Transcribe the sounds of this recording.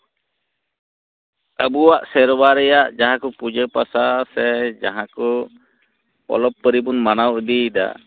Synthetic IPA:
əbuwaʔsɛɾwaɾɛjaʔd͡ʒaɦãkɔpud͡ʒəpasasɛd͡ʒaɦãkɔ | ɔ̰lɔpːəɾibunmanawəd̪id̪a̰

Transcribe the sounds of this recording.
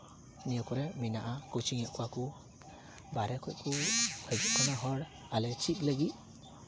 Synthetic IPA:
nijɔkɔɾɛminaʔakut͡ʃiŋaʔkuaku | baɾɛkʰɔʔkʰukʰed͡ʒɔʔkʰɔnaɦɔɽ | alɛt͡ʃʰit̚ləɡi

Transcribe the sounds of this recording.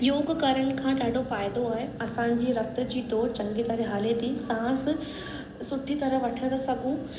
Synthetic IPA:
joːɡkaːɾəɽ̃̆kʰãːɖaːɖʱofaːɪd̪oaːɦeɐsãːɲ̆d͡ʑiːɾɐp̚t̪ə̆d͡ʑiːd̪ɔːɾt͡ɕɐ̃ŋɡit̪əɾeɦaːlet̪iːsãːs | sʊʈʰit̪ɐɾəʋɐʈʰə̃t̪osɐɡʱũ

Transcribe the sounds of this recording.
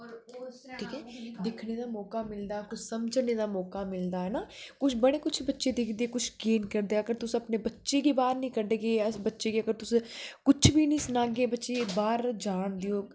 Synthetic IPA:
ʈʰiːkɛːd̪ɪkʰneːd̪aːmɔːkaːmɪld̪aːɛkʊt͡ʃʰsəmd͡ʒneːd̪aːmɔːkaːmɪld̪aːɦɛːnaːkʊt͡ʃʰbəɽ̃eːkʊt͡ʃʰbətːʃeːd̪ɪkʰd̪eːkʊt͡ʃʰɡeːnkəɾd̪eːəɡəɾt̪ʊsəpneːbətːʃeːɡiːbaːɾnĩːkəɖeːɡeːəsbətːʃeːɡeːəɡəɾt̪ʊsẽkʊt͡ʃʰbiːnĩːsʊnaːɡeːbətːʃeːbaːɾd͡ʒaːɳd̪ioː

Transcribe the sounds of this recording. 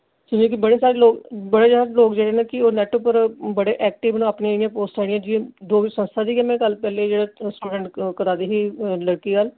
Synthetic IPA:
kʊ̃ːd͡ʒẽːkɪbəɽeːsaːɾeːloːɡbəɽeːsaːɾloːkd͡ʒeːɽeːnẽːkɪoːnɛːʈoːpəɾbəɽeːʔɛːk̚ʈɪʋnũːaːpniɽɪjãːpoːsʈɛːɽijãːd͡ʒiːẽːd̪oːʋsə̃nst̪ʰaːd̪iːkɛmɛ̃ːkəlpɛːleːd͡ʒeːɽaːsʈuːɖəɳʈkəɾaːd̪eːɦiːləɽkiːɡəl

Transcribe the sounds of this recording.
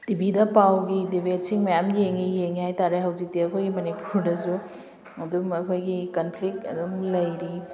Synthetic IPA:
d̪ibʱidɐpawɡidibesʰiŋmɐjamɡeŋɡijeŋɡiɦajt̪aɾajɦɐwzik̚t̪iɐkʰojɡimɐnipuɾdɐsu | ɐd̪umɐkʰojɡikɐnpʰlik̚tɐ̰d̪umlɐjɾi

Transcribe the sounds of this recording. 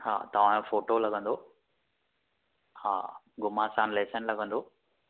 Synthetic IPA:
ha̰ːt̪ɐʋ̤ãjofoːʈolɐɡə̃nd̪oː | ha̰ː | ɡʊmãsãːnleːsənlɐɡə̃nd̪oː

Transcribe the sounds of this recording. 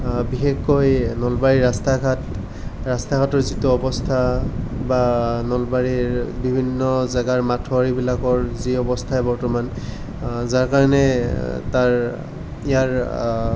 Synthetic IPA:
bixekkojnɔlbaɹiɹastakʰat | ɹastakʰatɔɹzitʊɔbɔstʰabanɔlbaɹiɹbibʱinːɔzaɡaɹmatʰɔaɹibilakɔɹziɔbɔstʰaɛbɔɹtɔman | zaɹkaɹanɛtaɹ | ijaɹ

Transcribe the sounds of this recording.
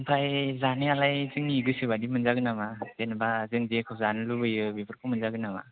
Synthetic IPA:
ɯmpʰajzanɯalajzɯŋniɡɯsɯbadimɯnzaɡɯnamazenbazɯŋzekʰɯwzanɯlubɯjɯbebʰɯɾkʰɯmɯnzaɡɯnama̰

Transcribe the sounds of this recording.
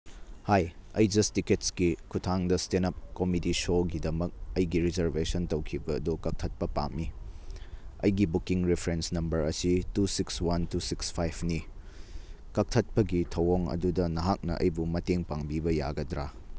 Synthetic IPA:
hajɐjd͡ʒɐstiketskikʰutʰaŋdɐstenɐp̚komidisoɡidɐmɐk̚ɐjɡiɾizɐɾbʱesɐntɐwkʰibɐːdokɐk̚tʰɐt̚pɐpa̰mːi | ɐ̰jɡibukiŋɾipʰɾensnɐmbɐɾɐsitusikswɐntusikspʰajpʰni | kɐk̚tʰɐt̚pɐɡitʰɐwoŋɐ̰dudɐnɐɦak̚nɐ̰ʔɐ̰jbumɐteŋpaŋbibɐja̰ɡɐdɾa̰

